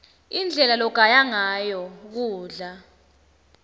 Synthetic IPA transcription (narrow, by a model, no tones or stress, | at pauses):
ind͡ɮʱɛlalɔɡ̥ʱajaŋajɔk̬uːɮa